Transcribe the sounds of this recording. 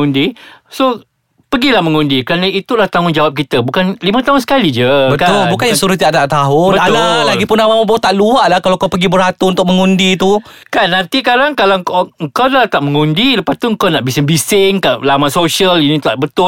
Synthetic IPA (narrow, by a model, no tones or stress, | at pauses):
undiso | pəɡilahməŋundikəɾanãit̪ulaht̪aŋʊnd͡ʒawap̚kit̪əbukanlimə̃t̪aɦʊnsə̥kalid͡ʒəbəkaʊlbukanjãsuɾʊt̪̬idaʔt̪aʔt̪aɦʊnbətaalaɡipʊnamamabot̪aʔluaʔlahkalakawpəɡibəɾat̪uunt̪ʊk̚məŋundit̪u | kanːant̪ik̬aɾaŋkalakaŋ̩kawlaht̪aʔməŋundiləpast̪uəŋ̩kawnaʔbisɪŋbisɪŋkalamasosiəlinĩt̪aʔbət̪ʊ